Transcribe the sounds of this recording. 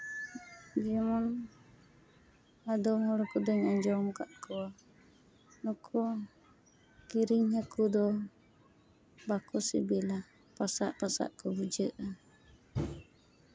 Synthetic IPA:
d͡ʒimɔn | adɔmhɔɾɔkudɔɲaɲd͡ʒɔmkaʔkɔa | nukʰɔ | kiɾiŋhakud̪ɔ | bakusḭbila | pasa̰ʔpasa̰ʔkɔbud͡ʒəʔa

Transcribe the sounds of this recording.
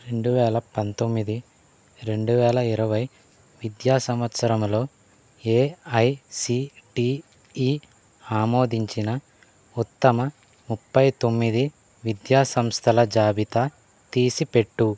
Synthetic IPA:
ɾe̞ɳɖuʋɛːlɐpɐnt̪o̞mːid̪i | ɾe̞ɳɖuʋɛːlɐiɾɐʋɐj | ʋid̪jaːsɐmʋɐt̪sɐɾɐmlo̞ː | eːɐjsiʈi | iː | aːmo̞ːd̪iɲt͡ʃinɐ | ut̪ːɐmɐ | mupːɐjt̪o̞mːid̪i | ʋid̪jaːsɐmst̪ʰɐlɐd͡ʒaːbit̪a | t̪iːsipe̞ʈːu

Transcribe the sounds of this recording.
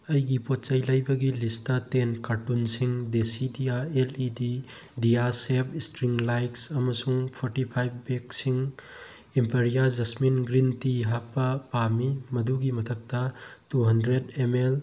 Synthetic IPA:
ɐjɡipot̚t͡ʃɐjlɐjbɐɡilistɐtenkaɾtunsiŋdesidiaelididiasep̚ʰistɾiŋlajksɐmɐsuŋpʰoɾtipʰajbbeksiŋ | impeɾijad͡ʒɐsminɡɾintiɦapːɐpamimɐduɡimɐtʰɐk̚tɐtuɦɐndɾedemel

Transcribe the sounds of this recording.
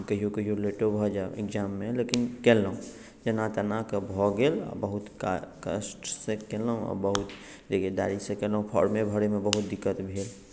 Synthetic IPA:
kəɦijokəɦijoleʈobʱɔd͡ʒaḛkd͡ʒamːelekinkelːəũ | d͡ʒənat̪ənakebʱɔɡelɔ̰bəɦut̪kkə̰sʈsẽkeləɦũɔ̰bəɦut̪ | d͡ʒ̪eked̪a̰ɾisẽkeləũpʰɔ̰ɾmebʱəɾemebəɦut̪̚d̪ikːət̪bʱel

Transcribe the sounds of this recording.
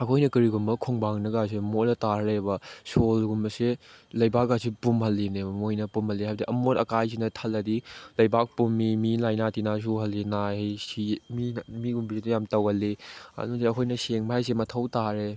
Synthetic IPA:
ɐkʰojnɐkɐɾiɡumbɐkʰoŋbaŋnɐɡas̬emolɐtaɾɐlebɐsolɡumbɐselɐjbak̚ɡasipumɦɐlːinemojnɐpumhɐlːiɦajbdiʔɐmotɐkajzinɐtʰɐlːɐdilɐjbak̚pumːimilajnatinas̬uɦɐlːinahejsiminmiɡumbiɾitujamtɐwɐlːiɐ̰nusiɐkʰojnɐseŋbaajs̬emɐtʰɐwtaɾe

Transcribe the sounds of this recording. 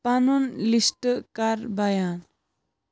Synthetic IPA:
panunlisʈəkaɾbajan

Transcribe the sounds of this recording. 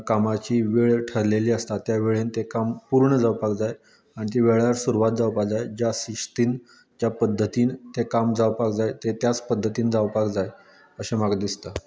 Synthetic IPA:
kamat͡ɕiːʋeɭʈʰəɾleliːəst̪at̪jaʋeɭent̪ekampuɾɳəd͡zawpakd͡zaj | aɽ̃it̪̬eʋeɭaɾsuɾuʋat̪̚d͡zawpad͡zajd͡ʑjasiʂt̪iːn | d͡ʑjapəd̪ʱːət̪iːnt̪ekamd͡zawpakd͡zajt̪et̪jat͡spəd̪ʱːət̪iːnd͡zawpakd͡zaj | əɕemaɡd̪ist̪a

